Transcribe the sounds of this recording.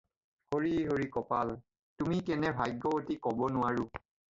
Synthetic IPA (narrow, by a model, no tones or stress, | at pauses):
hoɹiɦoɹikɔpal | tumikɛnɛbʱajɡɔotikɔbɔnʊwaɹʊ